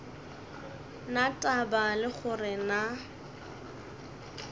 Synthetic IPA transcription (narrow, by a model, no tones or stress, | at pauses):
natʼabalɪχʊrɪna